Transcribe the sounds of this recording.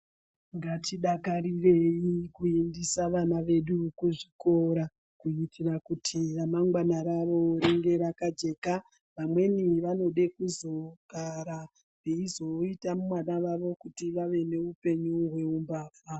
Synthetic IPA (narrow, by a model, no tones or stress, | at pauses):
ŋɡatʰiɗakarireikuindisaʋanaʋe̞ɗukuʐiko̞ɾa | kuitirakutʰiramaŋɡwanaɾaʋo̞ɾeŋɡe̞ɾakad͡ʒe̞ːka | ʋamwe̞niʋano̞ɗekuzo̞kaɾa | deizo̞itamumwanaʋaʋo̞kutiʋaʋe̞ne̞upe̞ɲuɦwe̞umbaːfa